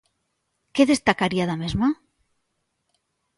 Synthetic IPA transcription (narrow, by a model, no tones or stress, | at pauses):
keðest̪akaɾiaðamezma